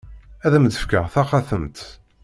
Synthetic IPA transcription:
æðæmd̪əfkəʁθɑχaθəmt̪

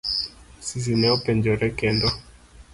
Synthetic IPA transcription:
sis̬inɛɔpɛɲd͡ʒɔɾɛkɛndɔ

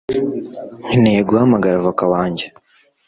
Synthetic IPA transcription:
ŋ̥ineːɡuamaɡaɾavokawaːɲɟe

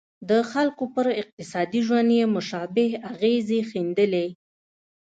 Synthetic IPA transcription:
d̪əxalkopəɾɪq̚t̪ɪsɑd̪iʒwand̪jemʊʃɑbɪhaɣezexind̪əle

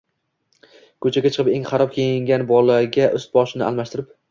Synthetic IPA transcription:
kʰɵt͡ʃʰaɡʲat͡ʃʰɨ̥qʰɨpe̞ŋχɑɾɒp̚kʲʰejɪŋɡʲanbɒlˠːaɾɡʲaʔɵst̪̚bɒʃɪnɪ̰a̰lmaʃt̪ɪɾɪp̚

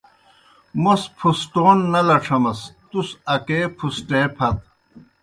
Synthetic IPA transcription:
mospʰusʈoːnːɐlɐʈ͡ʂʰɐmɐst̪usɐkeːpʰusʈeːpʰɐt̪

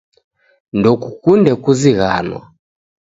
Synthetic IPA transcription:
ndɔkukundɛkuziɣa̰nwa̰

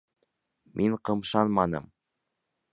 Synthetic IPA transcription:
mʔiŋɴqɤ̆mʃɑnmɑnɤ̰m

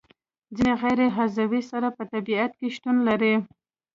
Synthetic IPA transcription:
d͡zineɣajɾeɦazawisaɾapət̪abiat̪̚keʃt̪unlaɾi

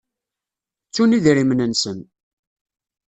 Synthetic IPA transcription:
t͡sːuniðɾimnənsən

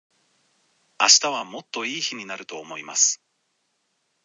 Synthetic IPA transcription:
aɕi̥t̪aβ̞amo̞t̪ːo̞iːçiɲ̟inaɾɯ̟t̪o̞ːmo̞ima̰sɨ̥

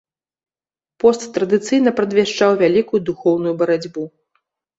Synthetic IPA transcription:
pɔst̪ːɾɐd̪ɨt̪sɨjn̪ɐpɾɐd̪vʲaʂt͡ʂawvʲalʲikujud̪uxɔwnujubɐɾad͡zʲbu

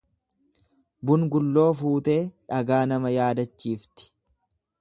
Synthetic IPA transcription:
bʊnɡʊlːo̞ːfuːt̪e̞ːᶑɐɡaːnɐmɐjaːd̪ɐt͡ʃːiːft̪ɪ̥

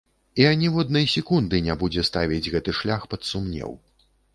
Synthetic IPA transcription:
iɐnʲivɔd̪nɐjsʲɛkund̪ɨnʲabud͡zʲɛst̪avʲid͡zʲɣɛt̪ɨʂlʲaxpɐt̪sumnʲɛ̰w

